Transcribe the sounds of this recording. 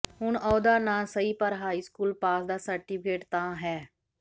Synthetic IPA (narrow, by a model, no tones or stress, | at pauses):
ɦʊɳɔːd̪aːnaːsəiːpəɾɦaːiːskuːlpaːsd̪aːsəɾʈiːpʰkeːʈt̪ãːɦɛː